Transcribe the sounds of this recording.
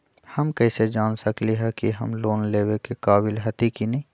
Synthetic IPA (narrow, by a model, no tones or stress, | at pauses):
hɐmkɛɪsed͡ʒaːnsəkliɦɛkiɦɐmloːnleːwekekaːbɪlɦɐt̪ikinɐɦĩ